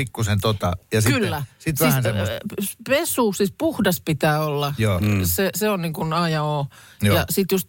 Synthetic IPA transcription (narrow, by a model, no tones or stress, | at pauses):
ikːusent̪ot̪ɑ̰jɑskiylːæsit̪ʋænsepesuːsispuhdɑspit̪æːolːɑjoseseonniŋkunɑjɑoː | jɑsit̪just̪̚